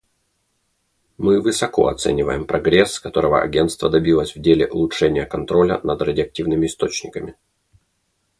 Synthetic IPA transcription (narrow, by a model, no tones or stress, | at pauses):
mɨvɨsɐko̞̰ɐ̰t̪sɛ̰nʲɪvəjɪmpɾɐɡɾʲesːkɐt̪o̞ɾəvə̰ʔɐ̰ɡʲe̞nt̪st̪vəd̪ɐbʲilˠəsʲvdʲelʲɪʔʊlˠʊʂɛnʲɪjəkɐnt̪ɾo̞lʲə̰nɐd̪rɐdʲɪɐk̚tʲivnɨmʲɪɪst̪o̞t͡ɕnʲɪkəmʲɪ